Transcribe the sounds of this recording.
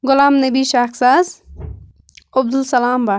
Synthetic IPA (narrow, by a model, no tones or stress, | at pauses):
ɡʊlaːmnɐbiːʃaːksaːz | ob̚d̪ulsɐlaːmbaː